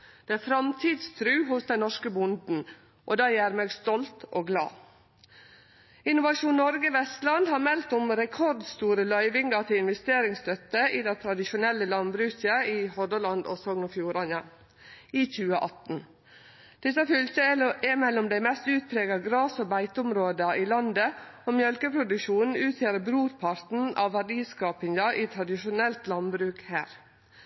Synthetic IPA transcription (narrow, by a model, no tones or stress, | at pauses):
d̪̥ɛæfɾɑmt̪ʰiːd̪st̪ʰɾʉːɦʊsd̪ɛnɔʂkəbʊnd̪n̩ | ʔod̪ɑːjæːɾmeːɡst̪ɔlt̪oːɡlɑ̰ː | ɪnʊʋɑʃuːnnɔɾɡəʋɛst̪lɑnd̪hɑːɾmɛlt̪ʊmɾɛkʰɔɾd̪st̪uːɾəlœʏʋɪŋɡɑt̪ʰɪɪnʋɛst̪eːɾɪŋst̪œt̪əʔiːd̪ɛɪt̪ʰɾɑd̪ɪʃʊnɛlːəlɑnbɾʉːçəiːhɔd̪əlɑnd̪oːsɔŋɔfjuːɾɑnɑ | iːçʉːəʔɑt̪n̩ | d̪̥ɪsɑfʏltəɛmɛlːɔmd̪æɪmɛst̪ʉːt̪pʰɾeːɡɑɡɾɑːsoːbæɪt̪əʊmɾoːd̪əiːlɑnd̪əoːmjœlkəpʰɾʊd̪ʉkʃuːnn̩ʉːt̪ʰjeːɾəbɾuːɾpʰɑɾt̪n̩ʔɑ̰ːʋʋæɖiːskɑːpɪŋɑʔiːt̪ʰɾɑd̪ɪʃʊnɛlt̪lɑnbɾʉːkhæ̰ːɾ